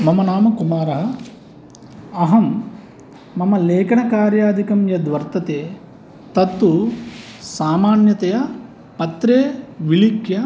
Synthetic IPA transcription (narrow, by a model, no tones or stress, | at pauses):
mɐmɐnaːmɐkumaːɾɐɦɐ | ɐɦɐmː | ɐmɐleːkɐɳɐkaːɾjaːd̪ʱikɐmjɐd̪ʋɐɾt̪ɐt̪eː | t̪ɐt̪ːu | saːmaːnjɐt̪ɐjɐ | pɐt̪ɾeːʋilikʰjɐ